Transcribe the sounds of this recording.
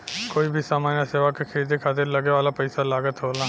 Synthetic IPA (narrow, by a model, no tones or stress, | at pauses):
koːibʱisaːmaːnjaseːʋakːekʰəɾiːd̪ekʰaːt̪ɪɾlɐɡeʋaːlapɐɪsalaːɡət̪ɦoːlaː